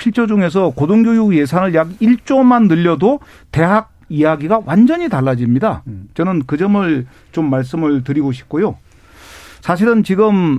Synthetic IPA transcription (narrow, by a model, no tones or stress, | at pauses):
pʰiɭt͡ɕʰod͡ʑuŋe̞s̬ʰʌkodoŋɡjojuje̞sʰanɯɭjaɡiɭt͡ɕ͈omanːɯʎːʌdo | te̞ɦaɡ̚ijaɡiɡawʔand͡ʑʌɲitaɭːad͡ʑimɲidat͡ɕʌnɯnkɯd͡ʑʌmɯɭ | t͡ɕomːaɭs̬͈ɯmɯɭtɯɾiɡoɕʰi̥p̚k͈ojo | sʰaɕ̬ʰiɾɯnt͡ɕiɡɯm